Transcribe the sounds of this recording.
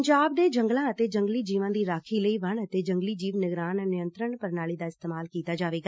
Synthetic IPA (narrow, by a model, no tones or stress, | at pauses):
ɲd͡ʒaːb̚d̪eːd͡ʒəŋɡlãːət̪eːd͡ʒəŋɡliːd͡ʒiːʋãːd̪iːɾaːkʰiːləiːʋəɳət̪eːd͡ʒəŋɡliːd͡ʒiːʋnɪɡɾaːnnɪjə̃nt̪ɾəɳpəɾnaːliːd̪aːɪst̪eːmaːlkiːt̪aːd͡ʒaːʋeːɡaː